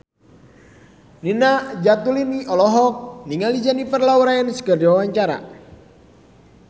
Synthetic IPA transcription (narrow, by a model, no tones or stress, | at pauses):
ninad͡ʒat̪uliniʔɔlɔɦɔk̚niŋalid͡ʒanipərlauɾaənsə̥kərd͡ʒwawaɲt͡ʃaɾa̰